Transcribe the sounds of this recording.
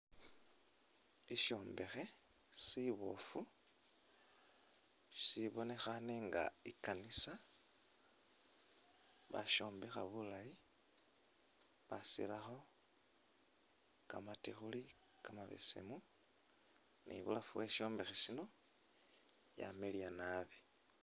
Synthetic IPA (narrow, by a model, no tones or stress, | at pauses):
iʃo̞ːmbe̞xe̞ | siβofu | ʃiβo̞ne̞xaneŋɡa̰ikanisa | βa̰ʃo̞ːmbe̞xa̰βulaji | βasḭlaxo̞ | kamatixuli | kamaβḛsḛmu | nḭβṵlafuweʃo̞ːmbe̞xesino̞ | ja̰melianaβe